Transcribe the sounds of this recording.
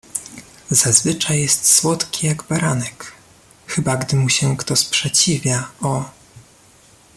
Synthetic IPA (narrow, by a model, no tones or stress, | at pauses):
z̥azvɘt͡ʂajjɛst̪swɔt̪kʲijaɡbaɾanɛk | xɘbaɡd̪ɘmuɕɛkt̪ɔspʂɛt͡ɕivʲjaʔɔ